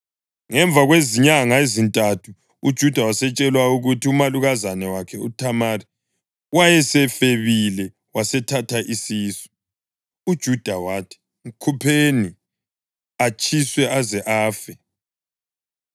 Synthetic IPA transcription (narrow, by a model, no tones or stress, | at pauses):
ŋɛɱb̪vʱaɣweziɲaŋaezintʼatʰu | ud̥ʒ̥ʱud̥ʱawasɛt͡ʃʼɛlwauɣutʰiumaluɣazanɛwakʰɛṵtʰamari | wajɛsɛfeβilɛ | wasɛtʰatʰaʔisiːsɔ̥ | ud̥ʒ̥ʱud̥ʱawatʰi̥ | ŋ̩kʰupʰeni | at͡ʃʰʼiswɛazɛʔaːfɛ